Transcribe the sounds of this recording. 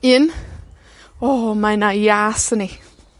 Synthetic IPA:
ɪn | ɔmaɪnajaːsəni

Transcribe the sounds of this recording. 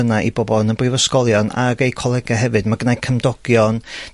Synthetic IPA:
ənaʔibɔbɔnənbrivəskɔlˠjɔna̰ɾejkʰwɔlˠɛɡaɦɛvɨdmaɡənajkʰəmdɔɡ̥jɔn

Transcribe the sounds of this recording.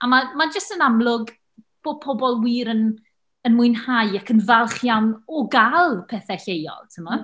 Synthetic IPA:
amamad͡ʒəstənamlˠʊɡ | b̥opʰɔbɔlˠwiːɾən | ənmʊɨnhajakʰənvalˠχjawnɔɡalˠpʰɛθɛɬejɔ̰lˠtʰəma

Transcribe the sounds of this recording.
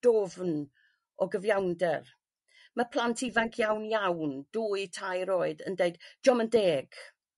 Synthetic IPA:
d̥ɔvn | ɔɡəvjawndɛr | məpʰlˠantʰivaŋkʰjawnjawnd̥uːitʰajɾoːɨdəndeɨdd͡ʒɔməndeːɡ̥

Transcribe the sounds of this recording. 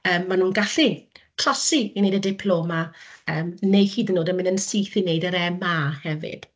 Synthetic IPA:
əːmːanuːnɡaɬikʰr̥ɔsiinejdədɪpʰlˠoːmaəːmnejhiːdənːoːdəmɪ̃nənsijθinejdəɾɛmahɛvɪ̰d̥

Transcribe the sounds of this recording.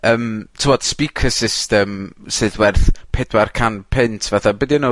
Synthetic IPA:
əːmtʰɪmɔd̥spikʰəsɪstɛmsɨːðwɛrθpʰɛdwarkʰanpʰɪntʰv̥aθabədiano

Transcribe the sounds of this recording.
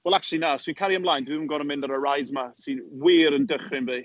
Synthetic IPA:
wɛlˠak̚t͡ʃlˠinaswinkʰaɾiəmblˠajndwiənɡɔɾənmɪ̃ndəɾərajdmasɨnwiːɾəndəχrɪnviː

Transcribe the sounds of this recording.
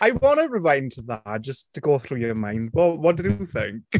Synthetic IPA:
aɪwɔñəɹɪvãɪ̃ntʰəðḁd͡ʒʌstʰəɡoːθruːjəmãj̃ndwɛlwʌt̚d̥ɪduθɪ̰̃ŋk

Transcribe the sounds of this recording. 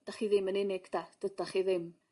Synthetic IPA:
d̥aχiðɪmənɪnɪɡ̥d̥ad̥ədaχiðɪm

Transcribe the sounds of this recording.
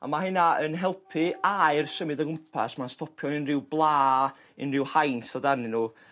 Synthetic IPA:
a̰maɦənaənɦɛlˠpʰɨaɨrsəmɨdəɡʊmpʰa̰smanstʰɔpʰjɔnɪnrɪwblˠaː | ɪ̰nrɪwhajntɔdanɨnu

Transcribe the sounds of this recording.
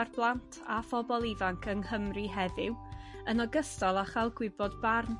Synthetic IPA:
arblˠantʰafɔbɔlˠivaŋkʰənhəmrɨɦɛðɪwənɔɡəstɔlˠaχalˠɡwɪbɔdbarn

